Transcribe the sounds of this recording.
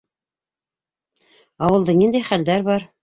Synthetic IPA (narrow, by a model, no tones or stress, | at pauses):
ɑwɤ̆lˠd̪ɤnind̪æjχæld̪æɾbɑɾ